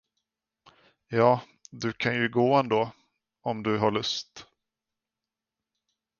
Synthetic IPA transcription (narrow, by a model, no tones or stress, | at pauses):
jɑː | d̪ɵkʰanjɵɡoːɛnd̪oː | ɔmd̪ɵɦaɭɵst̪